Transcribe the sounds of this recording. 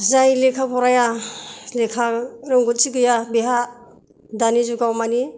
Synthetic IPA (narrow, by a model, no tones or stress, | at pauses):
zajlekʰapʰɔɾajalekʰaɾɯŋɡɔt̚siɡɯjabeɦa | danizuɡawmani